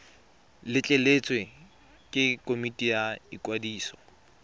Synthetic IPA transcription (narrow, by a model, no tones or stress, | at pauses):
lɪt͡ɬʼelet͡sʼwe | kʼɪkʼomitʼijaikʼwadiːsɔ̥